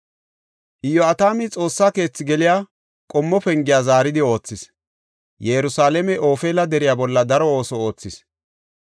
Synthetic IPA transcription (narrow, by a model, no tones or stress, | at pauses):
ʔɪjːɔɐt̪aːmɪt͡sʼo̞ːsːaːke̞ːt͡sːɪɡɛlɪjaː | kʼɔmːɔpɛŋɡɪjaːzaːɾɪd̪ɪo̞ːt͡sːɪs | jɛɾʊsaːlɛmɛʔo̞ːfeːlɐd̪ɛɾɪjabɔlːɐd̪ɐɾɔo̞ːsɔoːt͡sːɪs